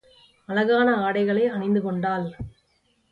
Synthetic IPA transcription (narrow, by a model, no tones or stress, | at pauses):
ɐlɐɣaːnɐaːɽɐɪɣɐɭɐɪɐɳɪnd̪ɯkɔɳɖaːl